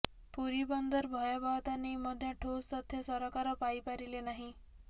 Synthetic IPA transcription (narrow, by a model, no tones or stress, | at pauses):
puɾibɔnd̪ʱəɾbʱɔjabaʋt̪aneməd̪ʱːjaʈʰost̪ɔt̪ʰjesɔɾɔkaɾɔpaipaɾilenaɦĩ